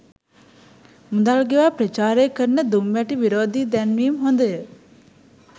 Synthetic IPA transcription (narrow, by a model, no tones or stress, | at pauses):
mud̪alɡeʋaːpɾət͡ʃaːɾeːkəɾnəd̪umʋɛʈiʋiɾoːd̪id̪ɛnʋiːmɦond̪əjə